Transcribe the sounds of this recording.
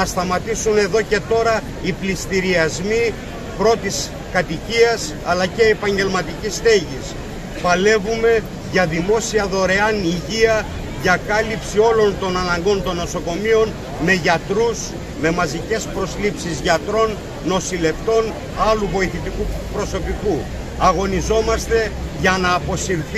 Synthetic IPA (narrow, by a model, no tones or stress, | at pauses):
nɐst̪ɐmɐt̪isune̞ðo̞ce̞t̪o̞ɾɐ | iplist̪iɾiɐzmi | pɾo̞t̪is | kɐt̪iciɐs | ɐlɐce̞ːpɐɲɟe̞lmɐt̪icist̪e̞ʝis | pɐle̞vume̞ | ʝɐðimo̞siɐðo̞ɾe̞ɐniʝiɐ | ʝɐkɐlipsio̞lo̞nt̪o̞nɐnɐŋɡo̞nt̪o̞nːo̞so̞ko̞mio̞n | me̞ʝɐt̪ɾus | me̞mɐzice̞spɾo̞slipsizʝɐt̪ɾo̞nː | o̞sile̞ft̪o̞n | ɐluvo̞iθit̪ikupɾo̞so̞piku | ɐɣo̞nizo̞mɐst̪e̞ʝɐnɐːpo̞siɾθ